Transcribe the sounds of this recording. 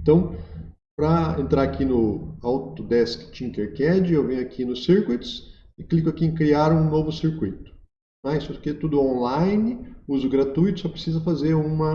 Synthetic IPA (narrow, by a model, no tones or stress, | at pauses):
ẽt̪ɐ̃w̃ | pɾɐḛ̃nt̪ɾaɾakʰinʊawt̪ʊd̪ɛskɪ̥t͡ʃĩŋkeɾkɛd͡ʒɪewvẽjʊakʰinʊsiɾkuit̪ʊ̥s | ɪklikʊakiẽkɾiaɾũnovʊsiɾkujt̪ʊ̥ | nãisʊket̪ud̪ʊõlajnɪuzʊɡɾat̪ujt̪ʊ̥sɔpɾesizɐfazeɾũmɐ